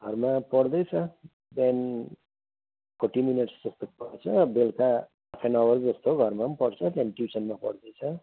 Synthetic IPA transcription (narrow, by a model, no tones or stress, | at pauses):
ɡ̥ʱʌrmapʌɽd̪ʌjt͡sʰʌ | d̪en | pʰoʈimineʈsd͡zʌst̪opʌrt͡sʰʌbelkaː | pʰenʌwʌrd͡zʌst̪oɡʱʌrmaʌmpʌɽt͡sʰʌt̪janʈjusʌnmapʌ̰ɽd̪ʌjt͡sʰʌ